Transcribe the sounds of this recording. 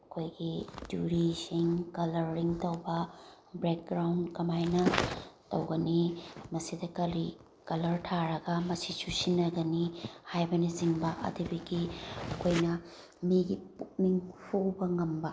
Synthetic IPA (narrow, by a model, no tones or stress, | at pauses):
ɐkʰojɡidṵɾisiŋkɐlɐɾːiŋtɐwbɐ | bɾek̚ɡɾawnkɐmajnɐtɐwɡɐnimɐsidɐkɐi | kɐlɐɾtʰaɾɐɡɐmɐsisusinːɐɡɐnihajbɐnisiŋbɐʔɐ̰dibiɡiɐkʰojnɐ | miɡipuk̚miŋpʰuwbɐŋɐmbɐ